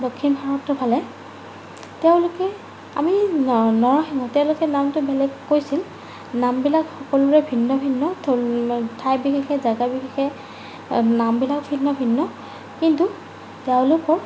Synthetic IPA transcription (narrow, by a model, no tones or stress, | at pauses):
dokʰːinbʰaɹɔtːɔbʰʱalɛ | tɛʊ̃lʊkɛ | a̰minɔɹɔximɔtɛʊ̃lʊkɛnamtʊbɛlɛɡkːojsil | nambilakxɔkɔlʊɹɛbʱinːɔbʱinːɔtʰotʰajbixɛxɛzaɡabixɛxɛ | nambilakbʱinːɔbʱinːɔ | kintu | tɛʊ̃lʊkɔɹ